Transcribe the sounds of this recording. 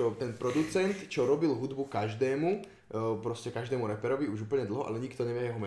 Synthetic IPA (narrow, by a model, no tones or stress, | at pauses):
ɔt̪ɛnpɾɔd̪ut͡sɛnt̪t͡ʃɔɾɔbilɦud̪bukaʒd̪ɛːmu | pɾɔscɛkaʒd̪ɛːmuɾɛpɛɾɔʋiuʒuːpl̩ɲɛd̪l̩ɦɔʔa̰lɛɲikt̪ɔɲɛʋɪɛjɛɦɔmɛ